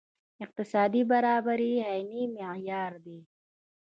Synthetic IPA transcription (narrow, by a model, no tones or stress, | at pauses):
ɪq̚t̪ɪsaːd̪ibɐɾaːbəɾiɦɛjnimejaːɾd̪eː